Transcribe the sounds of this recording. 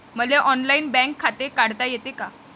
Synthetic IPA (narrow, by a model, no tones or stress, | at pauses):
məleʔɔnlainbɛ̃ŋkʰːat̪ekaɽt̪ajet̪eka